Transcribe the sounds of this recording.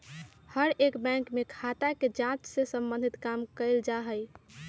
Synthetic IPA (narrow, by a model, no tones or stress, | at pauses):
həɾekbɛ̃ŋkmekʰat̪aked͡ʒãt͡ʃsesə̃mbənd̪ʱit̪kamkəɪld͡ʒaɦəj